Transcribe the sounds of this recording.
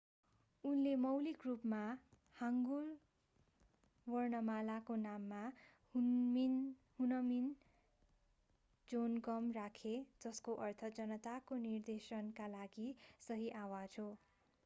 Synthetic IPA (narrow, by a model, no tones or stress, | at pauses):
unlemʌwlikrupma | haŋɡul | wʌrnʌmalakonamːa | inhunʌmin | d͡zonɡʌmrakʰed͡zʌskoʔʌrt̪ʰʌd͡zʌnʌt̪akonird̪esʌnkalaɡisʌɦiʔawad͡zɦo